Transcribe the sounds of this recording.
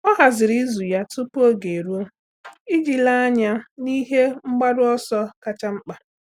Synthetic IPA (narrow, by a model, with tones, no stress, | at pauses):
ɔ˦ɦa˨zɪ˨ɾi˦zu˨ja˦tʊ˦po˦ɡe˨ɾu˦o˦ | i˦d͡ʒi˨la˦a˦ɲa˦ni˦ɦe˦ŋ͡m̩˦ɡ͡ba˦dʊ˦ɔ˦sɔ˦ka˦t͡ʃa˦ŋ͡m̩˦k͡pa˨